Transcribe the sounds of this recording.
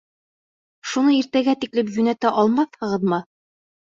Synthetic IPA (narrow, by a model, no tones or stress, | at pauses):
ʃunɤiɾt̪æɡæt̪iklɘpjʉnæt̪æʔɒlˠmɑθhɤ̆ʁɤðmɤ